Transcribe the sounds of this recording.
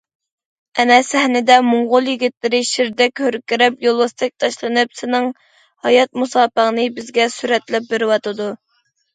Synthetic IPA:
ɛnɛsæhnɪd̪ɛmʊŋʁʊlˠjiɡʲit̪lɪɾɪʃiɾd̪ɛkʲhøɾkʲiɾɛpjolˠɑst̪ʰɨk̚ʲt̪ʰɑʃlˠɨnɨpsɪnɪŋ | hɑjɑt̪̚musɑːpəʁnɨbɪzɡʲɛsyɾɛt̪lɛp̚beɾɪwɑt̪ɨd̪u

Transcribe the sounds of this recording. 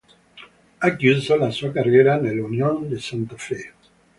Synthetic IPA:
akjyzalasuakarjeɾanelunjõnd̪esãnt̪afe

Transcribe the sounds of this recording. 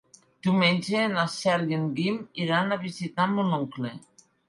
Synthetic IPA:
d̪̥imenʲd͡ʒenasɛɾeŋɡimiɾanaβizit̪amunɔŋkle

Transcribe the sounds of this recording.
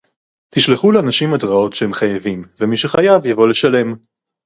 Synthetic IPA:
t̪iʃleχuleanaʃimadʁao̞tʃeemχajavimvemiʃeχajavjavo̞le̞ʃale̞m

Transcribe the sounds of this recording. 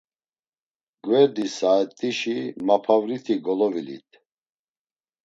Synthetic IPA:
ɡvɛɾd̪isaɛt̪ʼiʃimapʰavɾit̪ʰiɡɔlɔvilḭt̪ʰ

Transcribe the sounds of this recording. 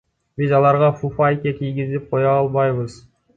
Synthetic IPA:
bizɑlˠɑɾʁɑfufajkekijɡʲizip̚qʰo̞jɑɑlˠβɑjβɯz

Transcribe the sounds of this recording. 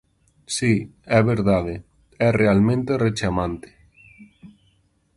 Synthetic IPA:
siɛβeɾðaðe | ɛrealmẽnt̪eret͡ʃamãnt̪e̥

